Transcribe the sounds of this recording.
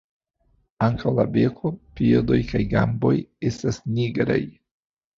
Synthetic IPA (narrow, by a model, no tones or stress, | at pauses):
aŋkʰawlabe̞kʰo̞piedo̞jkajɡa̰mbo̞je̞stasniɡɾa̰j